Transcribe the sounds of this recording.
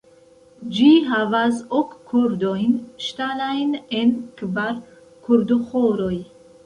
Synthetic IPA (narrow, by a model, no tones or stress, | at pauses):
d͡ʒiɦavazɔkʰːuɾd̪ɔinʃt̪alajnenkʰbaɾ | kʰuɾd̪uχɔɾɔj